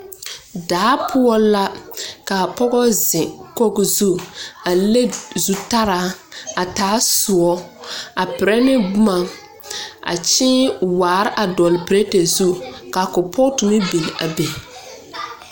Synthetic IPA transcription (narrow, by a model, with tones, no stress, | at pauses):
daː˨˦pʰʊ˦ɔ˦la˦ka˨pɔ˦ɡɔ˦zɪ˨ko˦ɡzu˦a˨le˦zu˦ta˦ɾaː˦a˨taː˨˦sʊ˨ɔ˦a˨pɪ˨ɾɛ˦nɪ˦bʊ˦ma˨ | a̰˨t͡ʃɪ˦waː˨ɾɪ˦ʔa˨dɔ˨lɪ˨pɪ˨ɾe˦te˨zu˦ka˨kʊ˨pʰɔ˦tu˨mɪ˦bi˨n˨a̰˨be˨